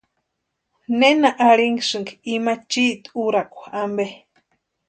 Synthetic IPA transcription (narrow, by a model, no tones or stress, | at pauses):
nenaʔaɺiŋɡsɨŋɡimat͡ʃiʔt̪uɾakʷaambe